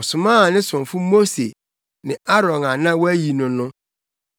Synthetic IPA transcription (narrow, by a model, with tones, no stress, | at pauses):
ɔ˨sʊ˨mãː˦˨nɪ̃˦sʊ̃˨ɱfʊ˦mo˦sḛ˨ | nɪ̃˨a˦ɾɔ̃˨na˨nã˦wɔ˦æ˦ji˨nʊ̃˨nʊ̃˦